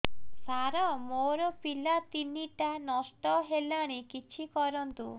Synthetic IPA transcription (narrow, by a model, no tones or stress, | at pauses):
saɾɔmoɾɔpilat̪iniʈanɔsʈɔɦelaɽ̃ikit͡ʃʰikɔɾɔnt̪u